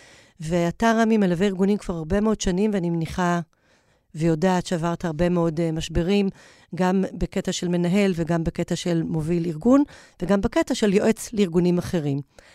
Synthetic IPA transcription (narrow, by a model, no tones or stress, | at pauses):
veataʁamimelaveiʁɡunimkv̥aʁaʁbe̞meo̞dʃanimveanimniχa | vejo̞daːtʃeavaʁt̪haʁbe̞meo̞demaʃbe̞ʁim | ɡambeke̞taʃe̞lme̞naɦe̞lveɡambeke̞t̪aʃe̞lmo̞viliʁɡunveɡambeketaʃe̞ljo̞ʔet͡sleiʁɡunimaχe̞ʁim